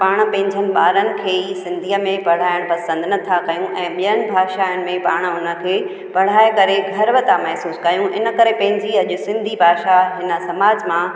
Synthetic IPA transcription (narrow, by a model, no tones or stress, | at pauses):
paːɽ̃̆pɐ̃ɦɪ̃ɲd͡ʑʱənɪ̆ɓaːɾənɪ̆kʰeːisɪ̃nd̪ʱijəmẽpɐɽ̤aːɪɽ̃pɐsə̃nd̪nɐt̪ʰakɐjũʔɛ̃ːɓijəñɪ̆bʱaːʃaːʊnɪ̆mẽpaːɽ̃ʊnə̆kʰeː | pɐɽ̤aːekɐɾeɡʱɐɾʋət̪ʰamɛɦsuːskɐjũʔɪ̰nə̆kɐɾepɐ̃ɦɪ̃ɲd͡ʑiɐʄʊsɪ̃nd̪ʱibʱaːʃaɦɪnə̆sɐmaːd͡ʑmã